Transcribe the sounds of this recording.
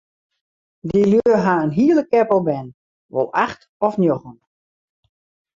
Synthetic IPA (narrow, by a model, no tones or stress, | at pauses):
diljøəɦaənɦiəlˠəkɛpəlˠbɛn | ʋo̰lˠaxt | ɔfnjoxən